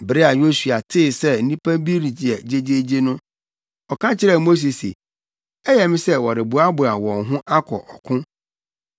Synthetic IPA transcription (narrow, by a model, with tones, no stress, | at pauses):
bɾe˦a˨jo˦su˨a˨tʰɪ˦˨sɛ˦n̩˦nĩ˦pʰã˦bi˦ɾi˨d͡ʑɛ˨d͡ʑe˦d͡ʑe˦d͡ʑe˦nʊ̃˦ | ɔ˨kʰã˦t͡ɕʰɪ˦ɾɛ˦˨mo˦s̬e˨sḛ˨ | ɛ˦jɛ˨mɪ̃˦sɛ˦wɔ˨ɾɪ˨bu˨a˦bʊ˨a˨wɔ̃˨nɦʊ̃˦ʔa˦kʰɔ̰˨ʔɔ˨kʰʊ̃˦